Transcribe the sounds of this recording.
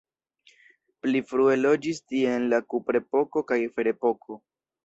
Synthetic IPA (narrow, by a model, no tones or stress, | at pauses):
plifɾue̞lo̞d͡ʒistienlakupɾe̞po̞ko̞kajfe̞ɾe̞po̞kʰo̞